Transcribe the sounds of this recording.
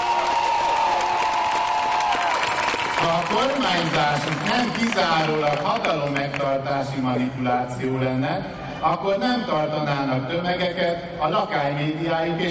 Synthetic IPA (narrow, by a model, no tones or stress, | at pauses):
hɒko̞rmaːɲzaːʃuknɛmkizaːɾoːlɒkhɒt̪ɒlomːɛk̚t̪ɒrt̪aːʃimɒnipulaːt̪sijoːlɛnːɛ | ɒkːo̞rnɛmt̪ɒrt̪ɒnaːnɒkt̪ømɛɡɛkɛt̪ | ɒlɒkaːjmeːd̪ijaːjuke